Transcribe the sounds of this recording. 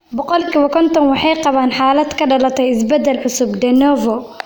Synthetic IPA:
bɔqɔlkʰiβɐkʰɔnt̪ʰɔnwɑħɑjqɑβaːnħaːlɐd̪kʰɐɖɐlɐt̪ʰɛjɪsbɐd̪ɐlʕʊsʊbd̪ɛnɔːvɔ

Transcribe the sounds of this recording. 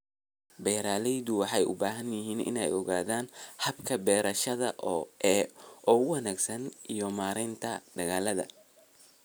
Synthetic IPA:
bɛːɾaːlɛjðʊwɑħɑjʔʊ̰baːɦɐnjɪɦiːnʔɪ̰nɛ̰jɔɣaːðaːnħɐbkʰɐbɛːɾɐʃɐðɐʔʔɛʔɔːʊwɑnaːɡsɐnʔijɔmaːɾɛnt̪ʰɐɖ̪ɐɣaːlɐðɐ̰

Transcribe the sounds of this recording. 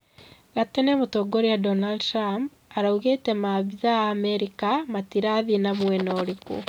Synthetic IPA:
ɣatɛnɛmotoɡoɾeadɔnaldtɾamp | aɾauɣetɛmaβiðaaːmɛɾikamatiɾaðinamwɛnɔɾiko̰

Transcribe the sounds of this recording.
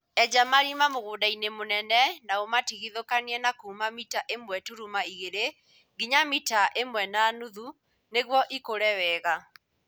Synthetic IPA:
ɛd͡ʒamaɾimamoɣoːdainemonɛnɛnaomatiɣiðokaniɛnakuːmamitaʔemwɛtuɾumaiɣeɾe | ɡiɲamitaʔemwɛnanuðu | neɣwɔʔikoɾɛwɛːɣa

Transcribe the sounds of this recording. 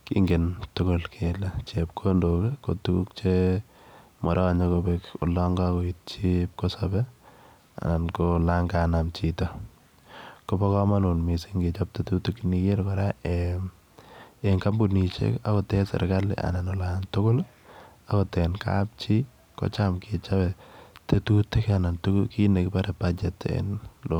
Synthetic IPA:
kḭŋɡentʊkʊlkʰelat͡ʃep̚kʰondokeko̰tukuk̚t͡ʃe | mɔɾʔɔaɲekobɛkʊ̰lɔŋɡɔkoit̚t͡ʃip̚kosɔbɛ | a̰nankolaŋɡanamt͡ʃitɔ | kobɔkɔmanunmisiŋɡet͡ʃap̚tetutukinikeɾkɔɾaʔem | eŋkambunit͡ʃḛka̰kɔtɛsɛ̰ɾɡalɪ̰ʔa̰nanɔlantʊkʊl | akɔtɛnka̰p̚t͡ʃi | kɔ̰t͡ʃamkʰɪt͡ʃabɛtetutekanantʊkʊkinekɪpaɾɛpad͡ʒɛtḛnlo

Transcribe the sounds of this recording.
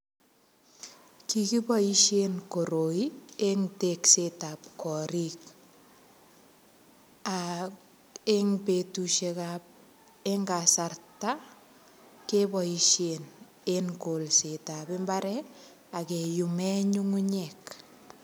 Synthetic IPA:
kikibɔiʃenkoɾoieŋteksetap̚kɔɾik | a | eŋpetuʃekap̚ | eŋɡasarta | kebɔiʃen | eŋkolsetabɪmbaɾɛ | akejumɛɲuŋuɲɛk

